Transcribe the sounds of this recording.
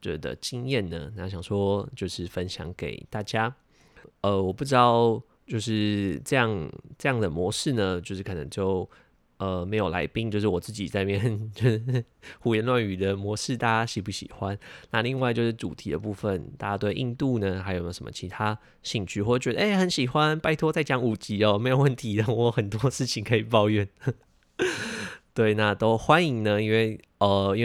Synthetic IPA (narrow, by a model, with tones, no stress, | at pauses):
t͡ɕɥɛ̰˧d̪ə̰˧t͡ɕi˥ŋjɛ˥˩nnə˩na˧˥ɕjɑ˨˩ŋʂwɔ˥t͡ɕjo˥˧ʊʂɻ̩˥˩fə˦nɕjɑ̰˧˥ŋkḛ˨˩ɪt̪a˥˩t͡ɕja˥ | ʔə˧wɔ˨˩pu˥˩ʈ͡ʂɻ̩˥t̪ɑ˥˩ʊ | t͡ɕjo˥˧ʊʂɻ̩˥˩ʈ͡ʂɤ˥˧jɑ˥˩ŋʈ͡ʂɤ˥˧jɑ˥˩ŋd̪ə˩mwɔ˧˥ʂɻ̩˥˩nə˩t͡ɕjo˥˧ʊʂɻ̩˥˩kʰɤ˨˩nə̰˧˥ŋt͡ɕjo˥˩ʊ | ə˩me˧˥ɪjo˨˩ʊla̰˧˥ɪpi˥˧ŋt͡ɕjo˧ʊʂɻ̩˥˩wɔ˨˩t͡sɹ̩˥˩t͡ɕi˨˩t͡sa˥˧ɪ˧mjɛ˥˨˩nt͡ɕo˥˧ʂ̩˥˩xu˨˥jɛ˧˥nlwa˥˩ny˨˩d̪ə˦mwɔ˧˥ʂɻ̩˥˧t̪a˥ɕi˧˥˩pu˥˩ɕḭ˨˩xwa˦nna˥˧li˥˧ŋwa˥˧ɪt͡ɕjo˥˧ʊʂɻ̩˥˩ʈ͡ʂṵ˨˩t̪ʰḭ˧˥d̪ə̰˨˧pu˥˧fə˨nt̪a˥˩t͡ɕa˥˧t̪we˥˧ɪʔḭ˥˧nt̪u˥˩nə˩xa˧ɪjo˨˩˨ʊʂə˦mə̰˧˨t͡ɕʰi˧˥t̪ʰa˥ | ɕi˥˧ŋt͡ɕʰy˥˧xwɔ˥˩˥t͡ɕɥɛ˧˥ə˧ʔe˥˩ɪxə˧˥nɕi˨˩xwa˦npa˥˧ɪt̪ʰwɔ˥t͡sa˥˩ɪt͡ɕjɑ˧˥ŋu˨˩t͡ɕi˧˥ɔ˧˩me˧˥ɪjo˨˩ʊwə˥˩nt̪ʰi˧˥ə˧˩wɔ˧˦˥xə˨˩nt̪wɔ˥ʂɻ̩˥˩t͡ɕʰi˨˩ŋkʰɤ˧˥i˨˩pɑ˥˧ʊɥɛ˥˩n | t̪we˥˩ɪna˥˩t̪o˥ʊxwa˦ni˧˥ŋnə˧i˥nwe˥˩ɪ | ə˩i˥nw